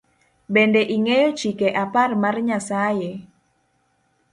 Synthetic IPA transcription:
bɛndɛʔiŋejo̥d͡ʒikeʔaparmarɲasaje

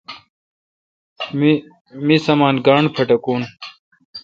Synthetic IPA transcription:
misɐmaːnɡaːɳɖpʰɐʈɐkuːn

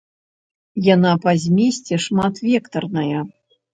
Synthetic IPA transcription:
janapɐzʲmʲesʲt͡sʲɛʂmat̪vʲɛkt̪ɐrnɐjɐ

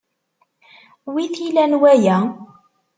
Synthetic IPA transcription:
wiθilænwæjæ

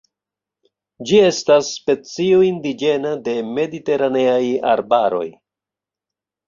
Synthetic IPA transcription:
d͡ʒie̞stasːpe̞t͡sioindid͡ʒe̞nade̞me̞dite̞ɾane̞aja̰ɾbaɾo̞̰j

